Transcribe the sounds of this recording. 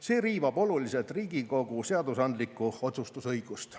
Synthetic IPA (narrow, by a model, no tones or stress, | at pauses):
se̞ːɾiːvɑbo̞lulise̞lt̪riːɡiko̞ɡ̥useɑd̪usɑnd̪likːˑuo̞t̪sust̪usɤjɡ̥ustt̪